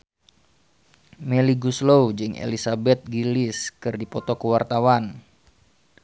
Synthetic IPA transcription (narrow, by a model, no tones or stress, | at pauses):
mɛliɡuslowd͡ʒɨŋʔḛlisabɛt̪̚ɡilɪskɨrdipɔt̪okəwart̪awan